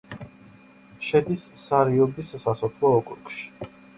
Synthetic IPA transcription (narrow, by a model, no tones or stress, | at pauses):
ʃɛd̪isːaɾiɔbissasʰɔpʰlˠɔɔkʼuɾukʼʃi̥